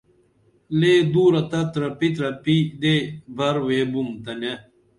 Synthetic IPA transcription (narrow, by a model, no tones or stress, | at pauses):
leːd̪uːɾɐt̪ɐt̪ɾɐpit̪ɾɐpid̪ebʱɐɾweːbumt̪ɐne